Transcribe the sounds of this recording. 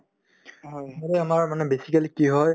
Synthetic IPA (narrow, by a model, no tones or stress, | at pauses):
ɦɔjmolɛamaɹmanɛbesikalikiɦɔj